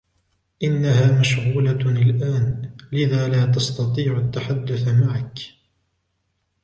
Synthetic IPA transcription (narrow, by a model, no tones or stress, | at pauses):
ʔɪnːahaːmaʃɣuːlaalʔaːnlɪðaːlaːt̪̬ɑst̪ɑt̪ˤiːʕʊt̪ːaħad̪ːʊθmaʕak